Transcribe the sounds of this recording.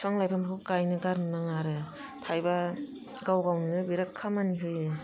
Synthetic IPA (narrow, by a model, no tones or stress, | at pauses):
sʰaŋlajpʰamkukajnɯɡaɾnɯnaŋaɾɯ | tʰajba | ɡawɡawnnɯbiɾakʰːamaniɦɯjɯ